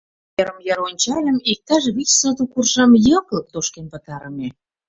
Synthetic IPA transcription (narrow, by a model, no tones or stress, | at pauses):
jeɾəmjɑɾonʲt͡ɕɑlʲə̆mik̚t̪ɑʒβit͡ɕsɤt̪ukurʒɑmjɤ̆klə̆k̚t̪oʃkenpə̆t̪ɑɾəmʲe